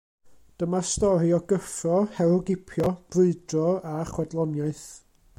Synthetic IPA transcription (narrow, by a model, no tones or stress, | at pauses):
d̥əmastɔɾiɔɡəfrɔhɛlˠɔɡɪpʰjɔb̥rɨɨdrɔaχwɛdlˠɔnjaɨθ